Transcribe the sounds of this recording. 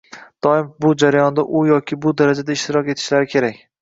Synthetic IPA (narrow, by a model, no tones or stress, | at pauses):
d̪̥ɒɪmbʊd͡ʒaɾajɒnd̪aʔʊjɒkʲʰɪbʊd̪aɾad͡ʒad̪aɪʃt̪ɪɾɒkʲe̞t̪ʰɪ̥ʃlaɾɪkʲʰe̞ɾakʲ